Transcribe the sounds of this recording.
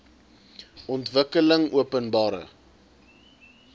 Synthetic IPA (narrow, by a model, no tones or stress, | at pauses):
ɔntvəkələŋuəpənbɑːɾə̰